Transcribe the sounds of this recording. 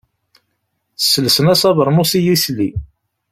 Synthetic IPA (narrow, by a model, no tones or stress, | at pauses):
θəsːələsənæsɑvəɾˤmusijislḭ